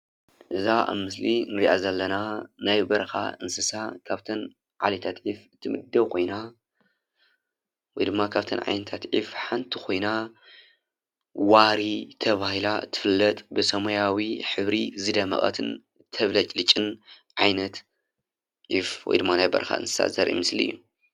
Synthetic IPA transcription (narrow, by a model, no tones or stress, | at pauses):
ʔɨzaʔa̰βmɨs̬linɨɾiʔa̰zɐlːɐnanajbɐɾɐxa̰ʔɨnsɨsakʰaβt̪ʰɐn | ʕa̰lit̪ʰat̪ʕifɨt̪ʰɨmɨ̰d̪ːɐwkʰo̞jna | wɔjd̪ɨmːakʰaβt̪ʰɐnʕa̰jnɐt̪ʰat̪ʕḭfħant̪ʰikʰo̞jna | waɾit̪ʰɐβahilaɨt̪ʰːɨ̥fɨlːɐt̪ʼbɨsɐmojawiħɨβɾizɨd̪ɐmɐ̰χʼɐ̰t̪ʰɨn | t̪ʰɐβlɐt͡ʃʼlɨt͡ʃʼːɨn | ʕajnɐt̪ | ʕifwɔ̰jd̪ɨmːanajbɐ̰ɾɐxa̰ɨ̰nsɨ̥sa̰zɐɾʔḭmɨsliɨjːu